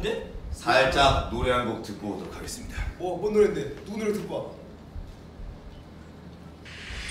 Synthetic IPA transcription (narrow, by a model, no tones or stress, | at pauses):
nd͡ʑesʰaɭt͡ɕ͈ak̚noɾeɦanɡok̚tɯk̚k͈oot͈okʰaɡe̞s͈ɯmɲidawʌkonːoɾendenunɯɾotɯk͈oat͈